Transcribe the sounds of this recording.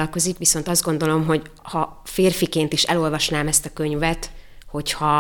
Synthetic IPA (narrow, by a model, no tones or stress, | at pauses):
lko̞zikʋiso̞nt̪ɒzd̪ɡo̞nd̪o̞lo̞mɦo̞ɟ | hɒ | feːrfikeːnt̪iʃɛ̰lo̞lvɒʃnaːmɛst̪ɒkø̞ɲvɛt̪ho̞chɒ